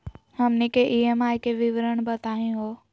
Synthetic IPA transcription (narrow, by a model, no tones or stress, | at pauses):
həmnikeʔiemaːjkeʋɪʋɾəɽ̃bət̪aːɦĩɦoː